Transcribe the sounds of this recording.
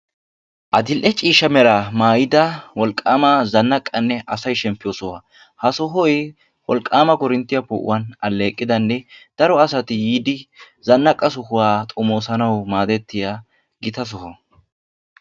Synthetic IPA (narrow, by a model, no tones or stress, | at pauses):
ʔɐd̪ɪlʔɛt͡ʃʼiːʃɐmɛɾamaːjɪd̪ɐwɔlkʼːaːmɐzɐnːɐkʼːɐnːɛʔɐsɐjʃɛmpːɪjoːsɔwa | hɐsɔɦɔj | wɔlkʼːaːmɐkɔɾɪnt̪ːɪjɐpɔ̰ʔʊ̰wɐnɐlːe̞ːkʼːɪd̪ɐnːɛd̪̥ɐɾɔɐsɐt̪ɪjiːd̪ɪ | zɐnːɐkʼːɐs̬ɔhʊwaːt̪ʼɔmo̞ːsɐnɐwmaːd̪ɛt̪ːɪja | ɡɪt̪ɐs̬ɔɦɔ